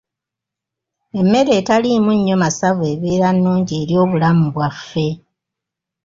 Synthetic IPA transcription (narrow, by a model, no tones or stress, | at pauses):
e̞mːe̞ɾe̞ːtalimuɲːo̞masave̞ːβiːɾanːuːɲɟie̞ːɾjo̞ːβulamuβwafːe̞